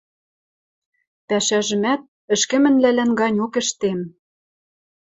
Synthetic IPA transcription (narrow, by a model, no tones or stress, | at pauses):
pæʃæʒɘ̆mæt̪̚ | ɘ̆ʃkɘ̆mɘ̆nlælænɡɑnʲokɘ̆ʃt̪em